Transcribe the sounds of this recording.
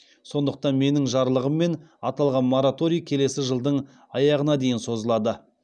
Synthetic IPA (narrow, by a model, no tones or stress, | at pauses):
so̞nd̪əq̚t̪ɑnme̞nɪŋʒɑɾlˠəʁəmːe̞nɑt̪ɑlˠʁɑnmoɾat̪o̞ɾijkʲʰe̞le̞sɪʒəlˠd̪əɴ | ɑjɑʁənɑd̪e̞jɪnso̞zəlˠɑd̪ə